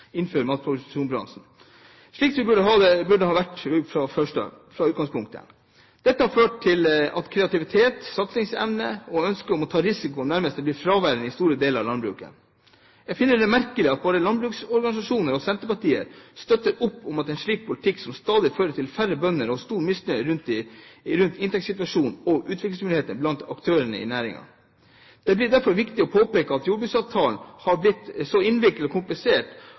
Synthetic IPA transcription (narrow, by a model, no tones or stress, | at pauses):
ɪnføːɾmɑːt̪̚pʰʊʋsʃuːnbɾɑ̰nʂn̩ | ʂɭiːksɔʋɪbʉɖəɦɑːd̪ɛbʉɖəhɑːʋæʈːʉfɾɑfœʂʈə̰fɾɑʉːt̪ɡɑŋspʰʊŋk̚t̪ʰə̰ | d̪̥ɛt̪ːəhɑɾføːʈt̪ɪlɑ̰t̪kʰɾɛɑt̪ɪʋɪt̪ʰeːt̪sɑt̪sɪŋsɛ̰ʋnəɔœnskəɔmɔt̪ʰɑːɾɪsɪkʊɔmnæɾməst̪ɛblɪɾfɾɑːʋæɾənɪst̪uːɾəd̪eːləɾɑ̰ʋlɑnbɾʉ̰ːkə̰ | jæɡfɪnːəɖɛmæɾkəlɪɑt̪̚boːd̪əlɑnbɾʉːksɔɾɡɑnɪsɑʂuːnəɾɔsɛnt̪əɾpɑʈiːə̰ɾst̪œt̪ːəɾʊpːʊmɑt̪ɛɪnʂɭiːk̚pʰʊlɪt̪ʰɪksɔmst̪ɑːd̪ɪføːɾəʈ̪ʰɪlfæɾəbœnːəɾɔst̪uːɾmɪsnœɾʉnt̪ɾʉnt̪ɪnt̪ɛksɪt̪ʋɑʂuːnɔʔʉːt̪ʋɪklɪŋsmʏnheːt̪ənblɑnt̪ɑkt̪ʰøːɾəɳə̰ɪ̰næːɾɪ̰ŋɑ̰ | d̪̥ɛblɪɖ̪æɾfɔɾʋɪkt̪ɪɔpʰoːpeːkəɑt̪juːɖbʉːksɑːʋt̪ʰɑːlnhɑɾblɪt̪ːsɔɪnʋɪk̪əlɔkʰʊmplɪseːʈ